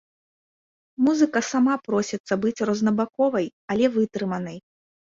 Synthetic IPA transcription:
muzɨkɐsamapɾɔsʲɛt̪sːɐbɨt͡sʲrɐznɐbakɔvɐjɐlʲɛvɨt̪ɾɨmɐnɐj

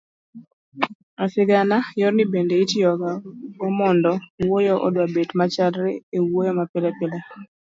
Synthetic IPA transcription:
asɪɡanajɔɾnibendeitjɔɡaɡomɔndɔwojɔʔɔ̰dwabetmat͡ʃalɾɛewojɔmapɪlɛpɪlɛ

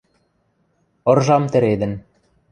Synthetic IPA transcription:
ɤ̆rʒɑmt̪ɘ̆ɾed̪ɘ̆n

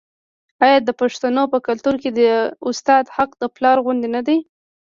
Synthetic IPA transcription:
ɑjɑd̪əpaʂt̪anopəkalt̪uɾked̪əʊst̪ɑd̪haqd̪əplɑɾɣʊnd̪enad̪aj

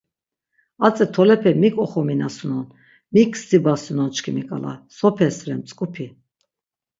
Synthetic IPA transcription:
at͡sʼɛt̪ʰɔlɛpʰɛmikʼɔχɔminasunɔn | mikʰsd̪ibasunɔnt͡ʃkʰimikʼa̰la̰sɔpʰɛsɾɛmt͡sʼkʼupʰi

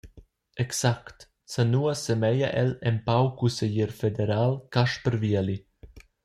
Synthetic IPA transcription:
ɛksakt̪ | sanuasemɛjaʔɛlɛmpawkusejiɾfed̪eɾaːlkaʃpəɾviali

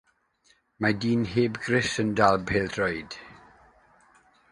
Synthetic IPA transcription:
madiːnheːbɡrɪsəndalˠbeːld̥rɔjd̥

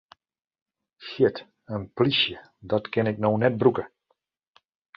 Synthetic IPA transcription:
ʃɪt | ənpliʃjə | dɑtkɪnɪk̚nownɛt̚brukə

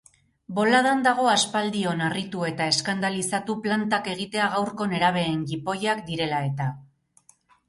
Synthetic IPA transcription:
bo̞lað̞and̪aɣ̞o̞aspald̪io̞narit̪ue̞t̪ae̞skand̪alisat̪uplant̪ake̞ɣ̞it̪e̞aɣawɾko̞ne̞ɾaβ̞e̞ːŋɡipo̞jakd̪iɾe̞lae̞t̪a

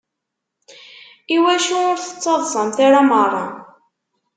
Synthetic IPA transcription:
iwæʃuʊɾθə̥t͡sːɑðˤsˤəmθaɾamərˤːɑ̰

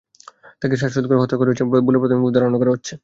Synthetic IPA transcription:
t̪akeʃ̬aʃod̪koɾkɔt̪ɾakoɾeot͡ɕʰebolepot̪omebud̪aɾonokaɾeɦotːɕʰe

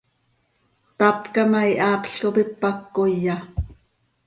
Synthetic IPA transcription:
t̪apkɑmɑiʔaːpɬkopipːakːojːɑ

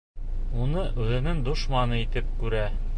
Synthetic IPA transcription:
unɤʔʉðɘ̆nɘŋd̪ŏʃmɑnɤit̪ɘp̚kʉɾæ

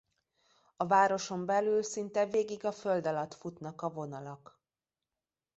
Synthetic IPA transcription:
ɒvaːɾo̞ʃo̞mbɛlylsint̪ɛveːɡiɡɒføld̪ɒlɒt̪fut̪nɒkɒvo̞nɒlɒk

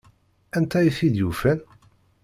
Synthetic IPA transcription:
ænt̪æjiθid̪jufæn

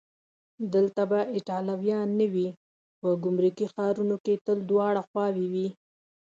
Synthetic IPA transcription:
d̪əlt̪abaʔɪʈɑlawjɑnːəwi | pəɡʊmɾukixɑɾunoket̪əld̪wɑɽaxwɑwiwi

